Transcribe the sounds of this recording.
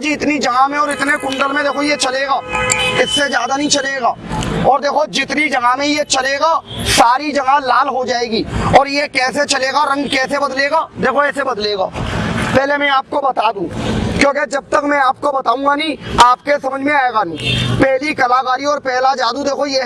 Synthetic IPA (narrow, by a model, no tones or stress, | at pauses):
d͡ʒiːɪt̪nid͡ʒɐɡamẽɔːɾɪt̪nekʊ̃ɳɖəlmẽd̪eːkʰojet͡ʃɐleːɡaːɪsːed͡ʒjaːd̪anɐɦĩt͡ʃɐleːɡaːɔːɾd̪eːkʰod͡ʒɪt̪nid͡ʒɐɡamẽjet͡ʃɐleːɡaːsaːɾid͡ʒɐɡalaːlɦod͡ʒaːeːɡiːɔːɾjekɛːset͡ʃɐleːɡaɾɐ̃ŋɡkɛːsebɐd̪leːɡaːd̪eːkʰoɛːsebɐd̪leːɡa̰ːpɛɦlemɛ̃aːp̚kobɐt̪aːd̪ũːkjõːked͡ʒɐb̚t̪əkmɛ̃aːp̚kobɐt̪aːũŋɡanɐĩːaːpkesɐməd͡ʒʱmẽaːeːɡanĩːpɛɦlikɐlaːkaːɾiɔːɾpɛːɦlad͡ʒaːd̪ũd̪eːkʰoje